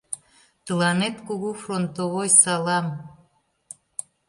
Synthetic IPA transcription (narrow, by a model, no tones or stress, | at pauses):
t̪əlɑnet̪kuɣufront̪oβojsɑlɑm